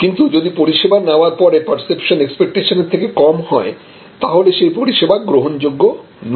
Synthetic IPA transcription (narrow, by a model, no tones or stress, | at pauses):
kint̪ud͡ʑod̪ipoɾiʃebanaoaɾpɔɾepɐɾsepʃonekspek̚ʈeʃoneɾt̪ʰekekɔmhɔe | t̪aɦoleʃejpoɾiʃebaɡɾoɦond͡ʑoɡːo | n